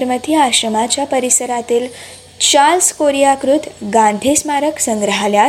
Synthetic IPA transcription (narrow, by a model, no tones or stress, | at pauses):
ɾmət̪iaɕɾəmat͡ɕjapəɾisəɾat̪iːl | t͡ɕalskoɾijakɾut̪ɡãɳɖ̪ʱismaɾəksəŋɡɾəɦalja